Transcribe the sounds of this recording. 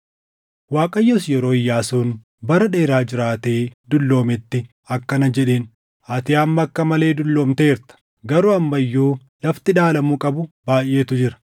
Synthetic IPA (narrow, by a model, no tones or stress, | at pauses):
waːkʼɐjːoːsjɛɾoːɪjːaːsoːn | bɐɾɐᶑe̞ːɾaːd͡ʒɪɾaːt̪e̞ːd̪ʊlːo̞ːmɪt̪ːɪ | ɐkːɐnɐd͡ʒɛᶑeːn | ɐt̪ɪjaːmːɐkːɐmɐle̞ːd̪ʊlːo̞ːmt̪e̞ːɪɾt̪ɐ̥ | ɡɐɾuːɐmːɐɪjːoː | lɐft̪ɪᶑaːlɐmuːkʼɐbʊb̥aːjʔːe̞ːt̪ʊd͡ʒɪɾɐ̥